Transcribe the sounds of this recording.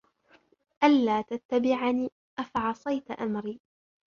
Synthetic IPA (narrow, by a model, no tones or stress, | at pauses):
ʔalːaːt̪at̪ːabɪʕaniː | ʔafaʕɑsˤɑjt̪ʔamɾiː